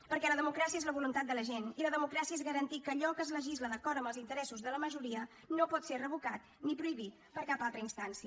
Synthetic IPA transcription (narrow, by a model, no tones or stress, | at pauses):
pəɾkɛləðəmukɾasiəezləβulunt̪at̪̚d̪ələʒeniləðəmukɾasiəezɣəɾənt̪ikəːʎɔkəːzləʒizləðəkɔɾəmbəlˠzint̪əɾɛsuzðələməʒuɾiə | nopɔt̪serəβukat̪ | nipɾuiβ̞it̪̚pəɾkapalˠt̪ɾəinst̪ansiə